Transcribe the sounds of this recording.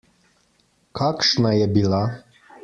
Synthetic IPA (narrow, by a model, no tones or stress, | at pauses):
kʰakʃnajɛbila